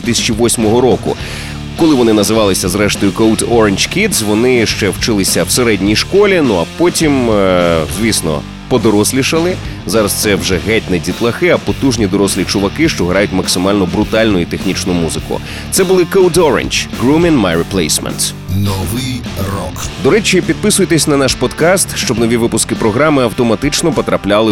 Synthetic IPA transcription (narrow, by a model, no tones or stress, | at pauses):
ʋʲit̪ɪsʲɐ̥t͡ʃiʋɔsʲmɔɦɔɾɔkʊ̰ | kɔlˠɪʋɔnɪnɐzɪʋɑlˠɪsʲɐzɾɛʃt̪ɔjʊkowdɔɾenʲd͡ʒkʲid̪zʋɔnɪʃt͡ʃɛwt͡ʃɪlˠɪsʲɐwseɾɛdʲnʲijʃkɔlʲinuɐpɔtʲim | zʲʋʲisnɔ̰ | pɔd̪ɔɾɔsʲlʲiʃɐlˠɪ | zɑɾɐst̪sɛwʒɛɦɛtʲnɛdʲit̪lˠɐxɪɐpɔt̪uʒnʲid̪ɔɾɔsʲlʲit͡ʃʊʋɐkɪʃt͡ʃɔɦɾajʊtʲmɐksɪmɑlʲnɔbɾʊt̪ɑlʲnʊit̪exnʲit͡ʃnʊmuzɪkʊ̰ | t̪sɛbʊlˠɪkowd̪ɔɾḛnʲd͡ʒɡɾumʲinmajɹɪplˠejsmɛ̰nt̪ | nɔʋɪj | rɔ̰kd̪ɔɾɛt͡ʃʲipʲid̪̚pɪsʊjet̪esʲnɐnaʃpɔd̪kɑst̪ʃt͡ʃɔbnɔʋʲiʋɪpʊskɪpɾɔɦɾɑmɪɐwt̪ɔmɐt̪ɪt͡ʃnɔpɔt̪ɾɐplʲalˠɪ